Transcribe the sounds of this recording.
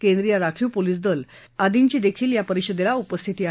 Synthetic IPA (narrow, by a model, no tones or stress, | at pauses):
kẽnd̪ɾijaɾakʰiːpoliːs̬d̪əl | ad̪iɲt͡ɕiːd̪ekʰiːljapəɾiɕəd̪elaupəst̪ʰit̪iːa